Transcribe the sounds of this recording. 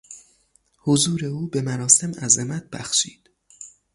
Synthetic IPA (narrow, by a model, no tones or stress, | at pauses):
hozuːɾe̞uːbe̞mæɾɒːse̞mæzemæt̪̚ʰbæxʃiːd̪̥